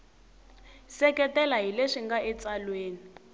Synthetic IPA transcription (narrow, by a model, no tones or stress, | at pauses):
sɛkɛtɛlaɦileʂiŋɡaʔɛt͡salweːni